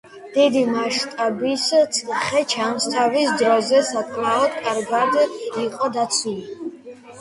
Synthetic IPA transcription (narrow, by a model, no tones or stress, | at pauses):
d̪̥id̪imaʃt̪ʼabist̪sʰʼχɛt͡ʃʰamst̪ʰavisd̪ɾɔzɛsat̪ʼnalɔt̪kʼaɾɡad̪iqʼɔd̪at̪sʰwili